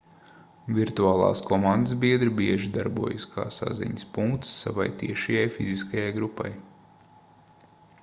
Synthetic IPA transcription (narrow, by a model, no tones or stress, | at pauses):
vʲiɾt̪uaːlˠa̰ːskɔmand̪əs̬biɛd̪ɾibiɛʒid̪aɾbuɔjaskʰa̰ːsa̰zḭɲispuŋkt̪sːa̰vajt̪iɛʃijajfiziskajajɡɾupa̰j